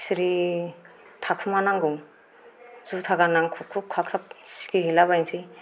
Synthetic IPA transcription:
siɾi | tʰakʰumanaŋɡuŋ | zutʰaɡanaŋkʰukʰup̚kʰakʰɾap̚si̥kiɦelaβajnsʰi

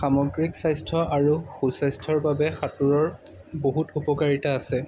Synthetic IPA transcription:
xamɔɡɹiksajstʰɔʔaɹuxusajstʰɔɹbabɛxatuɹɔɹ | boɦutupɔkaɹitaːsɛ

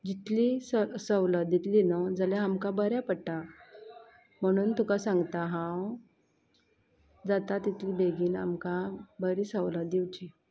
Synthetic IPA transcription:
d͡ʑit̪lisəsəwləd̪it̪linəd͡zaljaamkabəɾjapəɽʈa | m̤əɽ̃uːnt̪ukasãŋɡt̪aɦãw | d͡zat̪at̪it̪liːbeɡiːna̰mkãbəɾisəwlad̪iwt͡ɕi

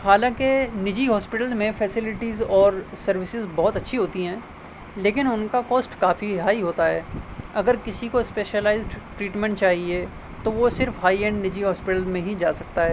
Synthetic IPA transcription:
haːlãkenɪd͡ʒiɦɔːspɪʈəlzmẽfʰɛːsɪlɪʈizɔːɾsɐɾʋɪsɪzbɔɦʊt̪ɐtːʃʰiɦoːt̪iɦɛ̃ː | leːkɪnʊnkakɔːsʈkaːfiɦaːiɦoːt̪aɦɛ̰ːɐɡəɾkɪsikospeːʃəlaːɪzɖʈɾiːʈmɛ̃ɳʈ̚t͡ʃaːɦie | t̪oʋosɪɾfɦaːiɛ̃ːɳɖnɪd͡ʒiɦɔːspɪʈəlzmẽɦid͡ʒaːsɐkt̪aɦɛː

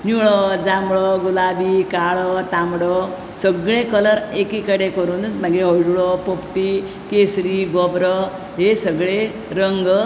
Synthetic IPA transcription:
nuɭɔd͡zamɭɔɡulabikaɭɔt̪amɽɔ | səɡɭekələɾekikəɽekəɾuːnmaɡeɦɔjɖuɭɔpopʈi | kesɾiɡɔbɾə | ɦesəɡɭe | ɾəŋɡ

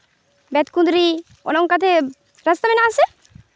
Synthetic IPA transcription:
bɛt̪kund̪ɾi | o̰nɔŋkat̪ʰe | ɾast̪amenaase

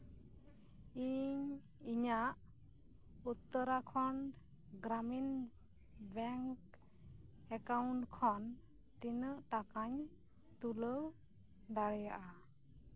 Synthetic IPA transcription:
iɲ | iɲaʔ | ut̪ːəɾakʰɔɳ | ɡɾamin | bɛŋk | ɛkawɳʈkʰɔn | t̪inəʔʈakaɲ | t̪uləw | ɖaɽɛja̰ʔa

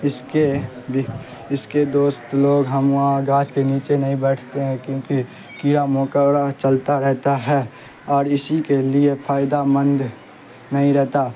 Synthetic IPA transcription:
ɪske | b | ɪsked̪oːst̪loːɡɦəmʋɦãɡaːt͡ʃkeniːt͡ʃenɐɦĩbɛːʈʰt̪eɦɛ̃kjõːki | kiːɾamõːkəɾat͡ʃəlt̪aɾɛɦt̪aɦɛː | ɔːɾɪsikeliepʰaːɪd̪amə̃nd̪ | nɐɦĩɾɛɦt̪a

